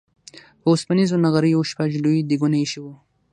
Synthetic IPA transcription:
pəʊspanizonaɣaɾəjaʃpaʒluid̪iɡunaiʃiwu

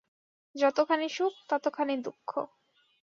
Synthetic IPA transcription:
d͡ʑɔt̪okʰaniʃuk̚t̪ɔt̪okʰaned̪ukʰːo̰

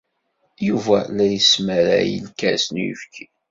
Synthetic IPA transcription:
juvælæjəsmæɾæ̰jə̰lkæsənjḭfki

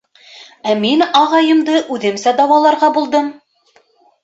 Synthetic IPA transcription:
æminɑʁɑjɤ̆md̪ɤʔʉðɘmsæd̪ɑwɑlˠɑɾʁɑbulˠd̪ɤm

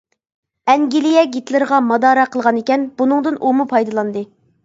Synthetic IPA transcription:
ɛŋɡʲilijɛɡʲit̪lɪɾəʁɑmɑd̪ɑːɾɑqʰəlˠʁɑnekʲɛnbunɨŋd̪ɨnʔumupʰɑjd̪ɨlˠɑnd̪ɨ

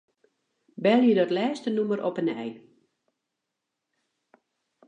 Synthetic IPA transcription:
bɛlˠjədɔtlɛːstənuməɾʔɔpənɛ̰j

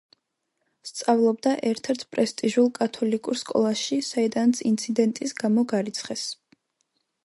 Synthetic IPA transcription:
st̪sʼavlˠɔbd̪aʔɛɾt̪ʰɛɾt̪ʰpʼɾɛst̪ʼiʒulˠkʼat̪ʰɔlikʼuɾskʼɔ̰lˠaʃisaid̪ansint̪sʰid̪ɛnt̪ʼisɡamɔɡaɾit̪sʰχɛs

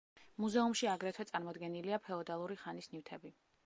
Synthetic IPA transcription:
muzɛumʃiaɡɾɛt̪ʰwɛt̪sʼaɾmɔd̪ɡɛniliapʰɛɔd̪alˠuɾiχanisnivt̪ʰɛbi

